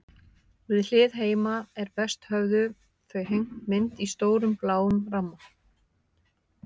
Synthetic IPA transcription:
vɪðl̥ɪːðɦeːjmaɛɾpɛst̪hœɣðʏ | θœɥjɦejŋk̪mɪnt̪ist̪oːwɾʏmplaːwʏmramːa

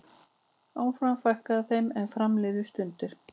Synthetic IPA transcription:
aːwfɾamfajhkaðaθejmɛnfɾamlɪːðʏ̥st̪ʏnt̪ɪɾ̥

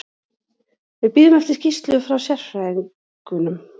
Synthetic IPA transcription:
vɪðpiːɾɪmɛft̪ɪ̥cist̪lʏʏfɾawsjɛr̥fa | kʏnʏm

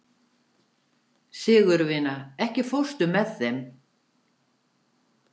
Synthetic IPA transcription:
sɪːɣʏɾvɪːnaɛhcɪfow̥st̪ʏmɛðθɛm

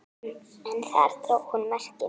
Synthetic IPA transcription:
ɛnθa̰ɛ̰ɾ̥t̪ɾohunmɛr̥cɪ

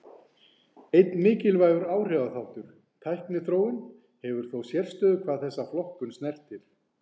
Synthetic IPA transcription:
ejt̪nmɪːcɪlvaːjɣʏɾaːwr̥ɛwðaθawht̪ʏɾ̥ | t̪ʰajhknɪθɾoːwɪn | hɛvʏɾ̥θowsjɛr̥st̪œːðʏkʰv̥aːðθɛsːaflɔhkʏnsnɛr̥t̪ɪɾ̥

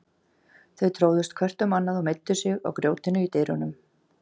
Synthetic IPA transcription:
θœɥt̪ʰɾoːwðʏst̪kʰvɛr̥t̪ʏmːanːaðumejt̪ːʏsjɛɣɔ̰ɣkɾjoːwt̪ɪnʏit̪ejɾʏnʏm

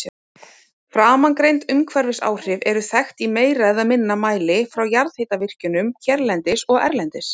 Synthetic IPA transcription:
fɾaːmaŋkɾejnt̪ʏmkʰvɛɾvɪsa̰ːwr̥ɪvɛɾʏθɛxt̪imeːjɾaðamɪnːamaːjlɪfɾawjaɾðhejt̪avɪr̥cʏnʏmcʰɛɾlɛnt̪ɪsɔɣɛ̰ɾlɛnt̪ɪs

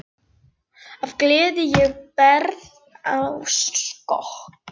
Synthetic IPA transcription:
avklɪːðɪjɛɣpɛɾð | awskɔ̰hk

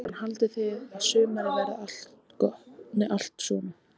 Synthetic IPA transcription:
hanhalt̪ɪθɪðaðsʏːmaɾɪvɛɾaal̥t̪kɔnɪʔal̥t̪sɔna

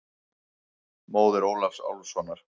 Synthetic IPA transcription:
moːwðɪɾoːwlafsa̰wlsɔnːaɾ̥

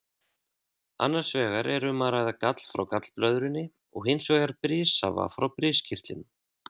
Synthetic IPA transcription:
a̰nːaɾ̥svɛːɣaɾɛɾʏmaːɾajðakat̪l̥fɾa̰wkat̪lplœðɾɪnːɪ | ɔɣhɪnsvɛːɣaɾpɾɪːsa̰va̰fɾawpɾɪːscʰɪr̥t̪ɪn

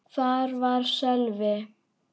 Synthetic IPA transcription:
θaɾvaɾsɛlvɛ

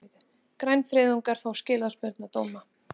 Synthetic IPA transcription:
ð | kɾajnfɾɪːðʏŋkaɾ̥fawscɪːlaðspœɾt̪nat̪oːwma

